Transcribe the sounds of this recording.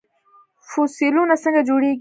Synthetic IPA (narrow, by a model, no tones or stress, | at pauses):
fusilunasə̃ŋɡad͡ʒuɽeɡ